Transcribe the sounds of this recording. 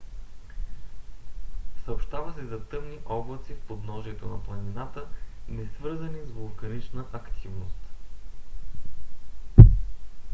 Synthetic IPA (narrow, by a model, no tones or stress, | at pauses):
səopʃt̪avəsɛzɐt̪ɤmniʔɔblˠət̪sifpod̪nɔʒiɛt̪onɐplˠɐninat̪ənɛsvɤɾzənizvolˠkɐnit͡ʃnəʔɐkt̪ʰivnost̪